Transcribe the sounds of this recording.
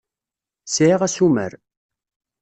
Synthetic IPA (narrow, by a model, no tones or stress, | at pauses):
sʕiʁæsumə̰ɾ